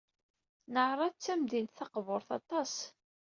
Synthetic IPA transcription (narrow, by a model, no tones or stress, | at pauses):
nəʕɾˤɑt͡sːæmd̪int̪θɑqvoɾˤθɑ̰t̪ˤɑs